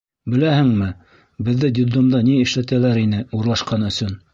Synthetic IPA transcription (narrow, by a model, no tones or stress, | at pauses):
bɘ̆læhɘŋmɘ | bɘ̆ðːɘd̪ʲɪd̪omd̪ɑniɘ̆ʃlæt̪ælæɾinɘuɾlˠɑʃqɑnɵ̆sɵn